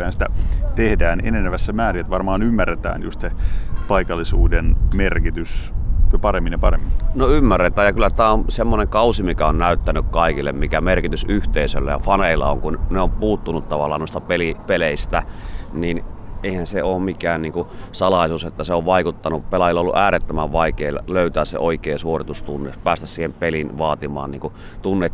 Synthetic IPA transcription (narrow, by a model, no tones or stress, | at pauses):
ehænsi̥t̪æt̪ehdæːnḛnenæʋæsːæmæːriet̪ʋɑrmɑːnymːærːet̪æ̰ːnjṵst̪sepɑikɑlːˑisuːdenmerkit̪ysjopɑremːinjɑpɑremːinnoymːærːet̪æːjɑkylːæt̪æːonsemːoneŋkɑusimikæonnæyt̪ːænykkɑikilːḛmmikæmerkit̪ysʔyht̪eisø̰lːæ̰jɑ̰fɑneilːɑ̰o̰ŋkunneompuːt̪ːunut̪t̪ɑʋɑ̰lːˑɑ̰ːnoist̪ɑpelipeleˑist̪æniːnʔeˑihænseoːmmikæːnniːŋkusɑlɑˑisuːset̪ːæseoʋʋɑˑikut̪ːɑnupelɑjilːolṵʔæːɾet̪ːømæʋʋɑikeːlløˑyt̪æːssḛoikeːsuorit̪ust̪unːepæːst̪æssiːhempelinʋɑːt̪imɑ̰ːnniːŋku | t̪unːet̪